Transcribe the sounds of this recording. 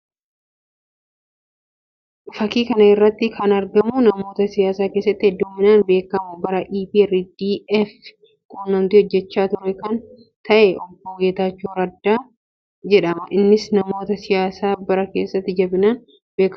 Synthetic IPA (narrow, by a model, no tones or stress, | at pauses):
fɐkiːkɐnɐɪrːɐt̪ːɪkʰɐnɐɾɡɐmunɐmo̞ːt̪ɐsɪjaːsaːke̞ːsːɐt̪ːɪhɛd̪ːoːmːɪnaːnbe̞ːkɐmʊbɐɾɐʔiːpiɾɪd̪iːɛf | kʼʊːnːɐmt̪ɪhɔd͡ʒːɛt͡ʃːaːt̪ʊɾɛkɐn | t̪ɐʔɛɔboːɡeːt̪aːt͡ʃːuːɾɐd̪ːaː | d͡ʒɛᶑɐmɐʔɪnːɪsnɐmo̞ːt̪ɐsɪjaːsaːbɐɾɐke̞ːsːɐt̪ːɪd͡ʒɐbɪnaːn | beːk